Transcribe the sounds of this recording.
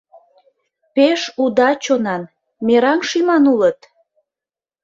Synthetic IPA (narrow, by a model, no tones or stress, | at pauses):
peʃud̪ɑt͡ɕonɑn | meɾɑŋʃimɑnulət̪